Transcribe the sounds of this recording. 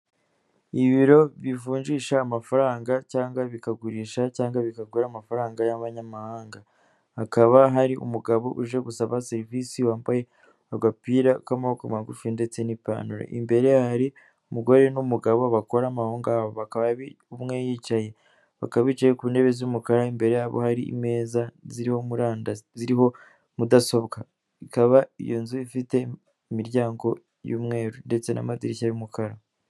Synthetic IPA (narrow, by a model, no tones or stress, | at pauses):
iβiɾo̞βifuːɲʒiːʃaːmafaɾaːŋɡacaːŋɡwaβikaɡuɾiːʃacaːŋɡaβikaɡuɾamafaɾaːŋɡajaβaɲamahaːŋɡa | hakaβaɦaɾiʔṵmuɡaβo̞ʔuʒe̞ɡusaβaseɾivisiwaːmbaje̞ | aɡapiːɾakamahokamaɡufinde̞t͡se̞nipa̰ːnuɾa̰ʔḭmbe̞ɾe̞haɾi | umuɡo̞ɾe̞numuɡaβoβako̞ɾamahoːŋɡaβoβakaβaβi | umŋe̞jiːt͡ʃaje̞ | βa̰kaβiːt͡ʃaje̞kuːnde̞βezumukaɾaimbe̞ɾe̞jaβo̰haɾiḭme̞ːzaziɾiho̞muɾaːndaziɾiho̞ | mudaso̞βka | ikaβaḭjonzuifite̞ | imiɾjaːŋɡo̞ | jṵːmŋe̞ːɾunde̞t͡se̞na̰madiɾiçaɾiumukʰaɾa